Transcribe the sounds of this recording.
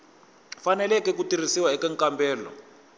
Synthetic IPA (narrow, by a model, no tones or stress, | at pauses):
fanɛlɛkɛk̬utir̤isiwaɛkɛŋkʼambɛːlɔ̰